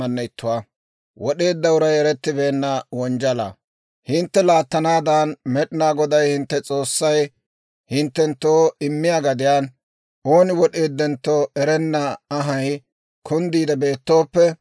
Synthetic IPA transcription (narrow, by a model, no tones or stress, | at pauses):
ɐnːɐɪt̪ːʊwaː | wɔɗe̞ːd̪ːɐwʊɾɐjɛɾɛt̪ːɪbe̞ːnːɐwɔnd͡ʒɐlɐ̰ | hɪnt̪ːɛlaːt̪ːɐnaːd̪anmɛɗɪnaːɡɔd̪ɐjhɪnt̪ːɛt͡sʼo̞ːsːɐj | hɪnt̪ːɛnt̪ːoːɪmːɪjaɡɐd̪ɪjaːn | ʔo̞ːnɪwɔɗe̞ːd̪ːɛnt̪ːoːʔɛɾɛnːɐːɦɐj | kʰʊnd̪iːd̪ɐbe̞ːt̪ːo̞ːpːɛ